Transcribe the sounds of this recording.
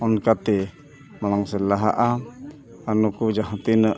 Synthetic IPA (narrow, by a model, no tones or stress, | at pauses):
ɔnkat̪i | malaŋsɛlaɦaʔa | anukud͡ʒaɦat̪inə